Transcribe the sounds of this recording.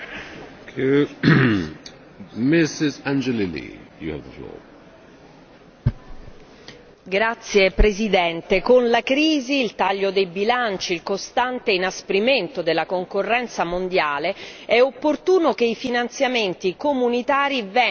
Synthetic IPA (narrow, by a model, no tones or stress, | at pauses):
ku | mɪsɪzãnd͡ʒɛlilḭjṵə̰vðəflɔ̰ | ɡɾat̪sːjepɾezid̪ɛnt̪ekonlakɾiːziːlt̪aʎːod̪ejbilant͡ʃiːlkost̪ant̪einaspɾiment̪od̪elːakoŋkorːɛnt̪samond̪jaːleɛopːort̪uːnok̟eifinant̪sjament̪ikomunit̪aːɾivɛ